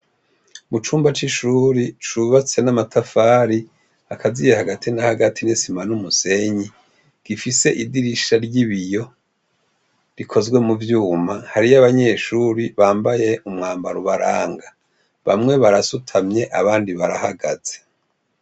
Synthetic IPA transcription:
mut͡ʃuːmbat͡ʃiʃuːɾit͡ʃuβat͡se̞namatʰafaːɾi | akʰazijehaɡatʰinahaɡatʰinisimanumuse̞ɲi | ɡ̥ifise̞ʔidiɾiʃaɾɟiβijo̞ | ɾikʰo̞zɡwe̞muvjuːmahaɾijaβaɲe̞ʃuːɾiβaːmbaje̞ʔumŋaːmbaɾuβaɾa̰ːŋɡa | βa̰mŋe̞βaɾasutʰamɲe̞ʔaβaːndiβaɾahaɡaz̥e

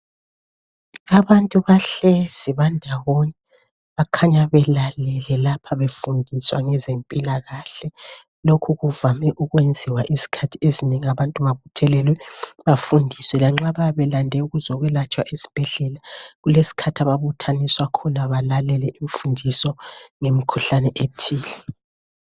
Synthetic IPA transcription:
aβantʼuβaɬɛz̥iβandʱawoni | βakʰaɲaβɛlalɛlɛlapʰaβefundʱiswaŋɛzempʼilaɣaɬɛ | lokʰuɣuvamɛʔuɣwend͡zʱiwaʔizi̥kʰatʰiezineŋiaβantʼuβaβutʰɛlɛlwɛβafundʱiswɛlaŋ͡ǁaβaβɛlandʱɛuɣuzɔɣwɛlat͡ʃʼwaʔesi̥b̥ʱɛɮɛlaɣulesi̥kʰatʰaβaβutʰaniswakʰɔnaβalalɛlɛʔiɱfundʱisɔŋemikʰuɬanɛʔetʰiːlɛ

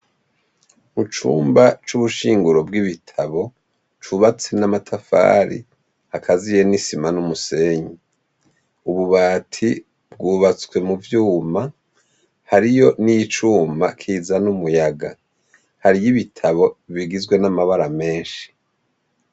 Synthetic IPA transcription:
mut͡ʃṵːmbat͡ʃuβuʃiːŋɡuɾo̞b̚ɡiβitʰaβo̞ | t͡ʃuβat͡senamatʰafa̰ːɾḭ | hakʰazije̞nisimanumuse̞ɲi | uβuβaːtʰi | bɡuːβat͡swe̞muvjuːma | haɾijo̞nijit͡ʃuːmakʰiːzanumujaɡa̰ | haɾijiβitʰaβo̞βiɡizɡwe̞namaβaɾame̞ːnʃi̥

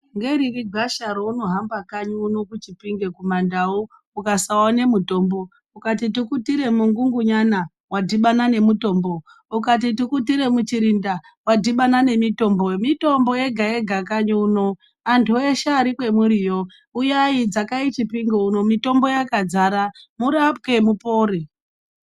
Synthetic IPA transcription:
ŋɡe̞ɾiriɡʱaʃaɾouno̞ɦambakaɲuuno̞kut͡ʃipiŋɡe̞kumandau | ukasawane̞muto̞ːmbo̞ | ukatitikutiɾe̞muŋɡuŋɡuɲana | wadiɓanane̞muto̞ːmbo̞ | ukat̬itikutiɾe̞mut͡ʃiɾinda | wadʱiɓanane̞mito̞ːmbo̞mito̞mbo̞je̞ɡʱaje̞ɡʱakaɲuuno̞ | antʰueʃaːɾikwe̞muɾijo̞ | ujaid͡zakait͡ʃipiŋɡeuno̞mito̞mbo̞jakad͡zaːɾamuɾap̚ke̞mupo̞ːɾi

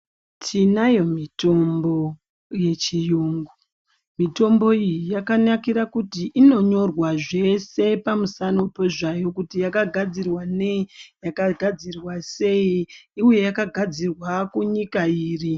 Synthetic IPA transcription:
tʰinajo̞mito̞mbo̞ | je̞t͡ʃijuːŋɡu | mito̞mbo̞ijijakanakiɾakutiʔino̞ɲo̞rwaʐe̞se̞pamusanopo̞ʐajo̞kutijakaɡʱad͡zirwanejakaɡʱad͡zirwase̞iiuje̞jakaɡʱad͡zirwakuɲikaiːri

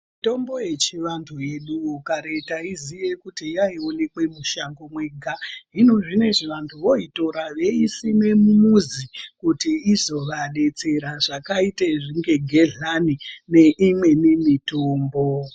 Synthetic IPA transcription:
mito̞mbo̞je̞t͡ʃiʋantʰuje̞ɗuokaɾe̞taiziʋe̞kutijaio̞ne̞kwe̞muʃaŋɡo̞mwe̞ɡʱaɦino̞ʐine̞ʐiʋantʰuʋo̞ito̞ɾaʋe̞isimemumuzikutiizo̞ʋaɗe̞t͡se̞ɾaʐakaiteʐiŋɡe̞ɡʱe̞ɮanine̞ʔimwe̞nimitoːmbo

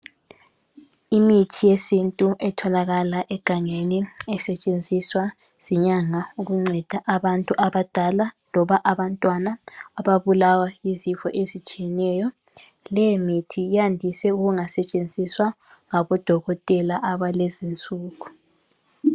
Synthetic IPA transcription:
imitʰijesintʼuʔɛtʰɔlaɣalaʔɛɡ̥ʱaŋeniɛsɛt͡ʃʼend͡zʱiswa | z̥iɲaŋauɣuŋ͡ǀɛd̥ʱaʔaβantʼuʔaβad̥ʱalalɔβaʔaβantʼwanaːβaβulawajizifɔʔezit͡ʃʼijɛnɛjɔ | lɛmitʰijandʱisɛuɣuŋasɛt͡ʃʼend͡zʱiswa | ŋaβɔd̥ʱɔɣɔtʼɛlaʔaβalɛzint͡sʼuːɣu

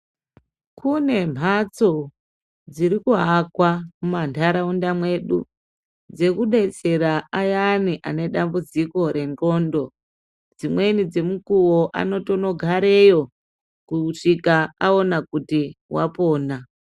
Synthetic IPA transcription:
kʰune̞m̤at͡so | d͡ziɾikuɦakwamumantʰaɾaundamwe̞ɗṵ | d͡ze̞kuɗe̞t͡se̞ɾaajaniʔane̞ɗambud͡ziko̞ɾe̞nro̞ːndo̞ | d͡zimwe̞nid͡ze̞mukuwoʔa̰no̞tono̞ɡʱaɾe̞jo̞ | kuʂikaao̞nakutiwa̰poːna

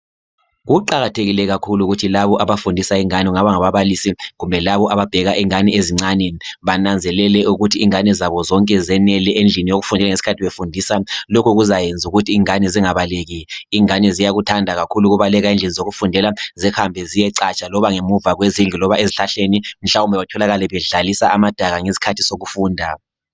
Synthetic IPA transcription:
ɣuǃaɣatʰeɣilɛɣakʰuluɣutʰilaβɔʔaβafundʱisaiŋaniuŋaβaŋaβaβalisiɣumbʱɛlaβɔʔaβab̥ʱɛɣaʔiŋanieziŋ͡ǀanɛniβanand͡zʱɛlɛlɛuɣutʰiːŋanizaβɔzɔŋkʼɛzɛnɛlɛʔend͡ɮʱinijoɣufundʱɛlaŋesi̥kʰatʰiβefundʱisalokʰuɣuzajend͡zʱuɣutʰiːŋanɛziŋaβaleɣiːŋanɛzijaɣutʰandʱaɣakʰuluɣuβalɛɣaind͡ɮʱinizoɣufundʱɛlazɛxambʱɛzijɛǀat͡ʃʼalɔβaŋemuvaɣwezind͡ɮʱilɔβaʔeziɬaɬenim̩ɬaumbʱɛβatʰɔlaɣalɛβɛɮalisaʔamad̥ʱaɣaŋesi̥kʰatʰi̥soɣufuːndʱa

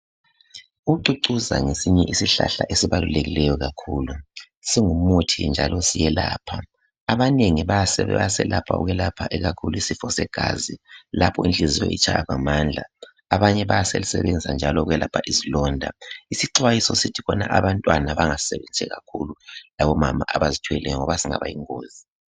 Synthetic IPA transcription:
uǀuǀuza̰ŋesiɲɛʔisiɬa̰ɬa̰ʔesiβaluleɣilɛjɔɣakʰuːlu | siŋumutʰḭnd͡ʒʱalɔsijɛlaːpʰaː | βaneŋiβajasɛaasɛlʔapʰa̰ṵɣɛlapʰaʔɛɣakʰuluisifɔsɛɡ̥ʱaːzilapʰɔind͡ɮʱizijɔ̰ḭt͡ʃʰʼajaβamand͡ɮʱaː | βaɲɛβajasḛlisɛβɛnd͡zisand͡ʒʱalɔuɣɛlapʰaʔizilɔndʱa̰isiǀwajisɔsitʰikɔna̰ʔaβantʼwanaβaŋasɛβɛnt͡ʃʰʼɛɣa̰kʰululaβɔmamaʔaβazitʰwɛlɛjɔŋɔβasiŋa̰βa̰jiŋoːzi

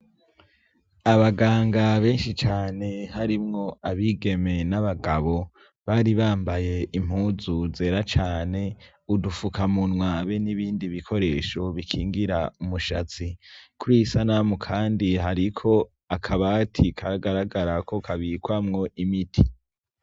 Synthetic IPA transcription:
aβaɡaːŋɡaβe̞ːnʃit͡ʃaːne̞haɾimŋo̞aβiːɡe̞me̞naβaɡaβo̞ | βaːɾiβaːmbaje̞ʔim̥uːzuze̞ːɾat͡ʃaːne̞ | udufukamunwaβe̞niβiːndiβikʰo̞ɾe̞ːʃo̞βikʰiːŋɡiɾaumuʃat͡sikuɾisanamukʰaːndiɦaɾikʰo̞ | akʰaβatʰikʰaɾaɡaɾaɡaɾakʰo̞kʰaβiːkwamŋo̞ʔimitʰi

